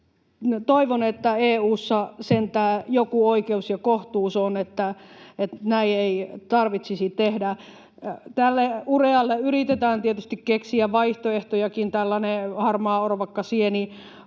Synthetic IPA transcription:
t̪oiʋonet̪ːæeːuːsːɑsent̪æːjokuoikeusjɑkoht̪uːsonet̪ːæet̪næieit̪ɑrʋit̪sisit̪ehdæ | t̪ælːeureɑlːeyrit̪et̪æːnt̪iet̪yst̪ikkeksiæʋʋɑiht̪oeht̪ojɑkint̪ælːɑnehɑrmɑːoroʋɑkːɑsieni

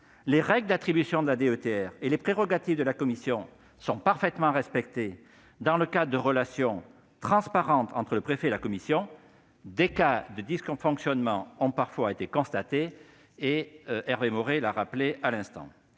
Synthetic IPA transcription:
leʁɛɡld̪at̪χibysjɔ̃d̪əlad̪eøt̪eɛʁelepχeʁɔɡat̪ivd̪əlakɔmisjɔ̃ | sɔ̃paʁfɛt̪mɑ̃ʁɛspɛk̚t̪e | d̪ɑ̃ləkad̪əd̪əʁəlasjɔ̃ | t̪χɑ̃spaʁɑ̃t̪ɑ̃t̪χələpχefɛelakɔmisjɔ̃ | d̪ekad̪əd̪iskɔ̃fɔ̃ksjɔnmɑ̃ɔ̃paʁfwaet̪ekɔ̃st̪at̪e | eɛʁvemɔʁelaʁaplealɛ̃st̪ɑ̰̃

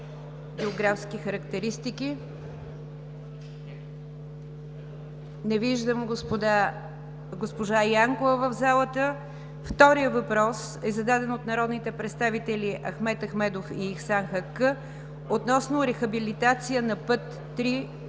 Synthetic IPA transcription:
ɡʲɛoɡɾafsk̟ixəɾəkt̪ɛɾist̪iki | nɛviʒd̪əmɡd̪ | ɡospoʒajaŋkʊvəvəvzalˠət̪ə | ft̪ɔɾijəvɐpɾɔs | ɛzɐd̪ad̪ɛnot̪nɐɾɔd̪nit̪ɛpɾɛt̪st̪avit̪ɛliʔɐxmɛt̪ɐxmɛd̪ofiːxsanxɐkə | ot̪nɔsnʊɾɛxəbilit̪at̪sijənɐpət̪ːɾi

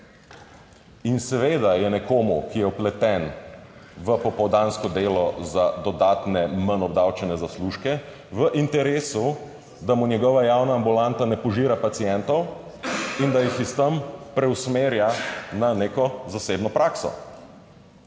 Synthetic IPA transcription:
insɛʋeːd̪ajɛnɛkoːmukijɛɔplɛt̪ɛn | ʋəpɔpɔwd̪aːnskɔd̪eːlɔzad̪ɔd̪aːt̪nɛmanɔbd̪awt͡ʃɛnɛzasluʃkɛ | ʋəʔint̪ɛɾeːsu | d̪amunjɛɡɔʋajawnaːmbulant̪anɛpɔʒiːɾapat̪sijɛnt̪ɔw | ind̪ajixist̪əmpɾɛwsmeːɾjananekɔzaseːbnɔpɾaːksɔ̰

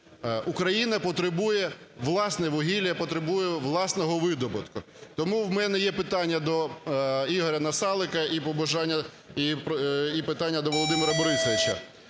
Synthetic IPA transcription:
ukɾɐjinɐpɔt̪ɾebujɛʋlˠɑsnɛʋɔɦʲilʲjɐpɔt̪ɾebujɛʋlˠɑsnɔɦɔʋɪd̪ɔbɐt̪kʊ | t̪ɔmuwmɛnɛjɛpɪt̪ɑnʲːɐd̪ɔ | iɦɔɾʲɐnɐsɑlˠɪkɐipɔbɐʒɑnʲːɐ | ipipɪt̪ɑnʲːɐd̪ɔʋɔlˠɔd̪ɪmɪɾɐbɔɾɪsɔʋʲɪt͡ʃɐ

